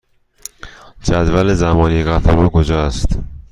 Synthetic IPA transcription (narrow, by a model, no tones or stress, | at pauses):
d͡ʒæd̪vælezæmɒːnieɣæt̪ʰæɾɒːkʰod͡ʒɒːæst̪